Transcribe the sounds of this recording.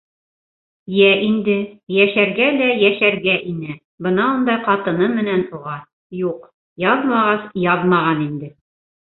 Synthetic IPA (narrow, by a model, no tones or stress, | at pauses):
jæʔind̪ɘjæʃæɾɡælæjæʃæɾɡæʔinɘ | bɤ̆nɑund̪ɑjqɑt̪ɤ̆nɤmɘ̆nænuʁɑ | juq | jɑðmɑʁɑsjɑðmɑʁɑnind̪ɘ